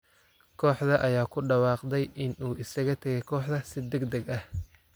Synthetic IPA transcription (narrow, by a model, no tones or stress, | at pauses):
kʰɔːħðɐʔɐjaːkʰʊɖɑwɑːqd̪ɛjʔɪnuːʔɪsɐɣɐt̪ʰɐɣɛjkʰɔːħd̪ɐsɪd̪ɛɡd̪ɐɡɐh